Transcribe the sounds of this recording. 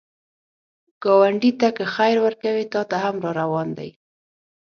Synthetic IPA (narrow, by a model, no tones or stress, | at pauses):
ɡ̥ɑwaɳɖit̪akəxajɾwəɾkawit̪ɑt̪aɦamɾɑɾawɑnd̪a̰j